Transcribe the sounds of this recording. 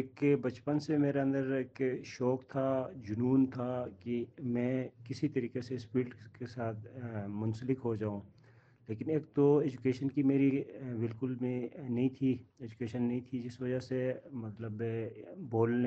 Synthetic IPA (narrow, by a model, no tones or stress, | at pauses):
eːkbɐt͡ʃpənsemeːɾeɐ̃nd̪əɾeːkʃɔːkt̪ʰad͡ʒʊnuːnt̪ʰakimɛ̃ːkɪsit̪ɐɾiːkesespiːʈkesaːt̪ʰmʊ̃nsəlɪkɦod͡ʒaːũ | leːkɪneːk̚t̪oɛːd͡ʒʊkeːʃənkimeːɾibɪlkʊlmẽnɐɦĩt̪ʰiɛːd͡ʒʊkeːʃənːɐɦĩt̪ʰid͡ʒɪsʋɐd͡ʒasemɐt̪ləbboːlne